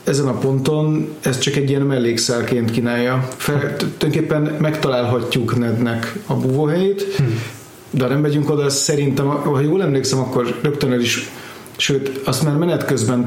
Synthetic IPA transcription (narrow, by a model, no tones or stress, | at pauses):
ɛzɛnɒpo̞nt̪o̞nɛst̪t͡ʃɒkɛɟːijɛnmɛlːeːksɛlkeːnt̪kiːnaːjːɒfɛt̪uj̪oŋkeːpːɛnmɛkt̪ɒlaːlɦɒcːuknɛd̪nɛkɒbuːvoːɦɛjeːt̪ | d̪ɛɒnɛmːɛɟyŋko̞d̪ɒsɛɾint̪ɛmhɒjoːlɛmleːksɛmɒkːo̞rrøk̚t̪ønøliʃ | ʃøːt̪ɒst̪maːrmɛnɛt̪køzbɛn